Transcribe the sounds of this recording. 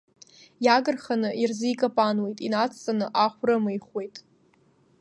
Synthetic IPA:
jaɡɨrχanɨʔirzɨjkʼapʼanwe̞jtʼinat͡sʰʼt͡sʼanɨʔaχʷrɨmɨjχwe̞jtʼ

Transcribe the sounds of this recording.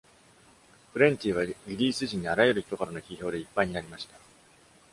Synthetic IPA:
ɸɯ̟ɾẽ̞ɲ̟t̪ʲiːβ̞aɡʲiɾʲiːsɨʑĩɲ̟ːiaɾajeɾɯ̟çi̥t̪o̞kaɾano̞çiço̞ːd̪e̞ipːaiɲ̟inaɾʲimaɕi̥t̪ḁ

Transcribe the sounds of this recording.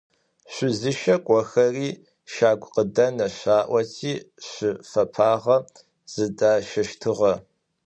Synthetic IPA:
ɕʷʊzɨʃɐkʷʼɔxɐriː | ʃaːɡʷʼqədɐnɐɕaːʔʷɐtʰiːɕʷɪfɐpʰaːʁɐ | z̥ɨdaːʃɐʃtʰɨʁɐ

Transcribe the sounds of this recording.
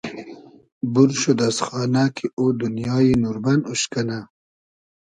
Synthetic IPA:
buɾʃod̪asxɑːnakʰiʔod̪unjɑːjinuɾbanuɕkana

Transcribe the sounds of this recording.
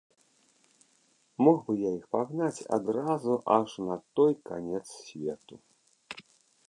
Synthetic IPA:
mɔɣbɨjaixpaɣnat͡sʲa̰d̪ɾazuʔɐʂnɐt̪ɔjkanʲɛt̪ssʲvʲɛt̪u

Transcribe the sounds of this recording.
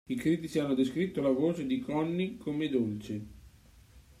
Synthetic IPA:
ikɾiːt̪it͡ʃianːod̪eskɾit̪ːolavoːt͡ʃed̪ikɔnːikʰomed̪olt͡ʃe

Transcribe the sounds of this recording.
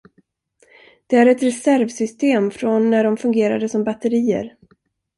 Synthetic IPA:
d̪̥ɛæɾɛt̪ɾɛsæɾvsʏst̪eːmfɾɔnːæɖɔmfɵŋɡeːɾa̰d̪əsɔmbat̪əɾiːə̰ɾ

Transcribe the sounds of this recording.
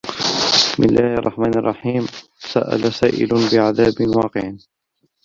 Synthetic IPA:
ɪsmʔɪlːʔaːhʔɑrˤːɑħmaːnɑrˤːɑħiːmsa̰ʔa̰lasaːʔɪ̰lʊbɪʕaðaːbɪnwɑːqɪʕ

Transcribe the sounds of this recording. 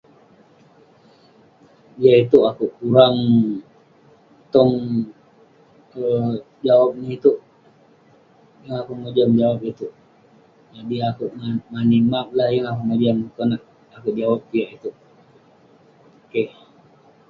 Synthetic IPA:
iaʔit̪uʔakuʔkuɾaŋ | t̪ɔŋ | ə | d͡ʒawap̚niit̪uʔ | jaŋakuʔmod͡ʒəmd͡ʒawap̚it̪uʔ | nabiakuʔmanimap̚lahjaŋakuʔnabiankonaʔ | akuʔd͡ʒawap̚ːijaʔit̪uʔ | oke

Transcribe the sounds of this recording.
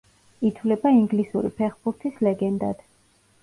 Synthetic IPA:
it̪ʰvlɛbaiŋɡlisuɾḭpʰɛχbuɾt̪ʰislɛɡɛnd̪a̰d̪̥

